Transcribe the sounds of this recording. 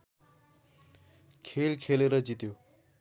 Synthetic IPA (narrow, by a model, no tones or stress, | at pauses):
kʰelkʰeleɾʌd͡ʑit̪jo